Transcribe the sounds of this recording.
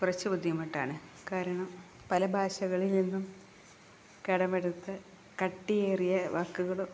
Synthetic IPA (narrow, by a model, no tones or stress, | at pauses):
kurɐt͡ɕːɐbud̪ʱjɐmɐʈːa̰ːɳɨkaːɾɐɳɐm | pɐlɐbʱaːɕɐɣɐɭilninːum | keɽɐmeɽut̪ːɨ | kɐʈːijeːrijɐʋaːkːuɣɐɭo